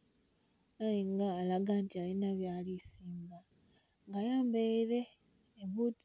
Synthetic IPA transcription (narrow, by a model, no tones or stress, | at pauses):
ajiŋɡaːlaɡantialinaβjaːlisiːmba | ŋɡajaːmbeiɾe̞ː | βut